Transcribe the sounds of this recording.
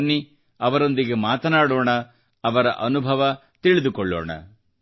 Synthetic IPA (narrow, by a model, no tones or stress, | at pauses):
nːi | ɐʋɐɾo̞nd̪iɡemaːt̪ɐnaːɽoːɳɐ | ɐʋɐɾɐ̰ʔɐnubʱɐʋɐ | t̪iɭid̪ukɔɭːɔ̰ːɳɐ̰